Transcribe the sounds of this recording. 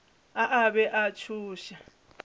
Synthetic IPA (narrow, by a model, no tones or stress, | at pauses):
aʔaβɛʔat͡ʃʰuːʃa